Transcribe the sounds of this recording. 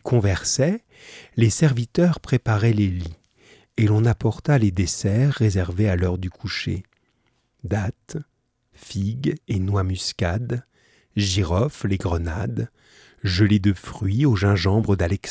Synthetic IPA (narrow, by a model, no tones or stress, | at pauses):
kʰɔ̃vɛʁsɛ | lesɛʁvit̪œʁpχepaʁɛleli | elɔ̃napɔʁt̪aled̪esɛʁːezɛʁvealœʁd̪ykʰuʃḛ | d̪at̪ | fiɡenwamyskʲad̪ | ʒiʁɔfleɡʁənad̪ | ʒəled̪əfχɥioʒɛ̃ʒɑ̃bʁəd̪alɛks